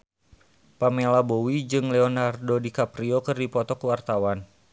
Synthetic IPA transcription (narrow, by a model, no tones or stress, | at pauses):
pamelabowid͡ʒɨŋlɛɔnardodikapɾiokɨrdipɔt̪ɔkəwart̪awan